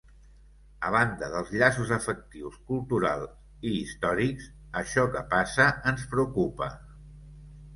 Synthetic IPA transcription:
ə̰β̞and̪əðəlˠzʎasuzəfək̚t̪iwskulˠt̪uɾa̰lˠ | iːst̪ɔɾiks | əʃɔkəpasəənspɾəukupə̰

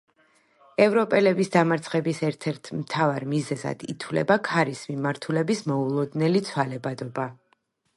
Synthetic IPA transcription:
ɛvɾɔpʼɛlɛbisd̪amaɾt̪sʰχɛbisɛɾt̪ʰɛɾt̪ʰmt̪ʰavaɾmizɛza̰d̪̥it̪ʰwlɛ̰bakʰaɾismimaɾt̪ʰulɛbismɔulˠɔd̪nɛlit̪sʰwalɛbad̪ɔba

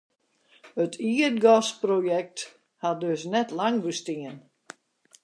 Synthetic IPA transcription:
hətʰiət̚ɡɔsprojɛk̚t | hadøsnɛtlaŋbəstiən

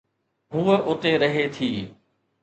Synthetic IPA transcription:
ɦuːəʔʊt̪eɾɐɦet̪ʰiː

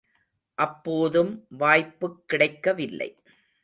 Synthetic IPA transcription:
ʔɐpːoːðɯmʋaːjpːɯkːɪɽɐɪkːɐʋɪlːɐ̰ɪ

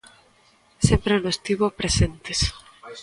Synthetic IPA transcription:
sempɾenost̪iβopɾesent̪es

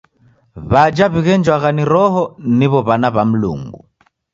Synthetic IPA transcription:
βad͡ʒaβiɣɛnd͡ʒwaɣaniɾɔɦɔniβɔβanaβam̩lṵŋɡṵ

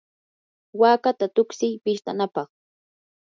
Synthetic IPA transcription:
waːkat̪at̪ʊksɪjpɪʃt̪anapɑχ

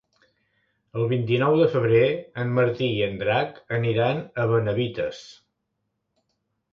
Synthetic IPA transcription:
əlˠβint̪inɔwðəfəβ̞ɾeəmməɾt̪iiənd̪ɾakəniɾanəβənəβit̪əs

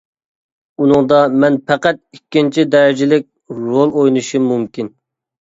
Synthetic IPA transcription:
unɨŋd̪ɑmɛnpʰɛqæt̪̚ikʲːint͡ʃʰid̪ɛɾɪd͡ʒɪlɪk̚ʲ | ɾolˠojnuʃimumkʲin

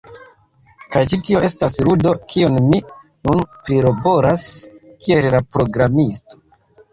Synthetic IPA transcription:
kajt͡ʃitio̞ʔe̞stasɾudo̞kʰionmi | nunpɾiɾo̞bo̞ɾaskie̞llapɾo̞ɡɾamisto̞̥

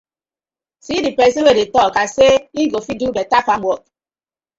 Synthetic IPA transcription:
sidipɛsewedetɔkaseiɡofidubetafamɔt̚

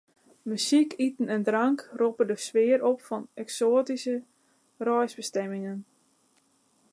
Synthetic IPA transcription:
mysikʰitən̩ɛndraŋkropədəsʋɪːəɾopfɔnɛksoːtisə | rɔjzbəstɛmɪŋən

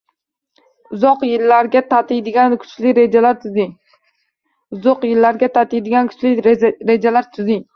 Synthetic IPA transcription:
ʊzɒqjɪlːaɾɡʲat̪ʰat̪ʰɪjd̪ɪɡʲankʰʊ̥t͡ʃlɪɾed͡ʒalaɾt̪ʰʊzɪ | ʊzɒqjɪlːaɾɡʲat̪ʰat̪ɪjd̪ɪɡʲankʰʊ̥t͡ʃlɪɾe̞d͡ʒalaɾt̪ʰʊzɪŋ

